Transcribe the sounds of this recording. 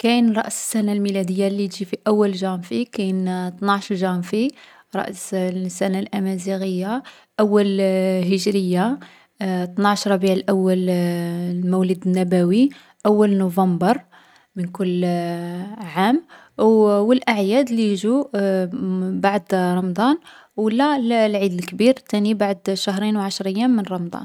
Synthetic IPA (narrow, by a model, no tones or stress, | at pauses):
kæjnɾˤɑʔsə̥sːænalmilæd̪əjːalːit̪ʒifiʔæwːəlʒæmfikæjnt̪nɑʕʃɾʒæmfi | ɾˤɑ̰ʔssːænalʔæmæziɣəjːa | ʔæwːælɦəʒɾəjːa | t̪nɑʕʃɾˤɑbiʕlʔæwːæl | muwləd̪ənːæbæwi | ʔæwːəlnuvɑmbəɾˤ | mənkʊlː | ʕam | wəlʔaʕjæd̪lijʒu | baʕd̪ɾˤɑmd̪ˤɑn | wəlːællʕid̪əlkbiɾt̪ænibaʕd̪ʃaɦɾinwʕaʃɾˤəjːæmːənrˤɑmd̪ˤɑ̰n